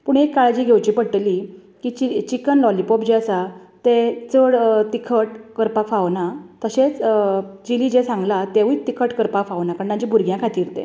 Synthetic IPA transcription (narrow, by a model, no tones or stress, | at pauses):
puɳekːaɭd͡ʑiːɡʱewt͡ɕiːpəɽʈ̪əli | kiːt͡ɕit͡ɕikənlɔlipɔpd͡ʑeəsat̪et͡səɽt̪ikʰəʈkəɾpakfaʋnat̪əɕet͡sd͡ʑiliːd͡ʑesãŋɡlat̪eʋit̪ːikʰəʈkəɾpakfaʋnakaɳnãd͡ʑĩbʱuɾɡʱjãkʰat̪iːɾt̪ḛ̃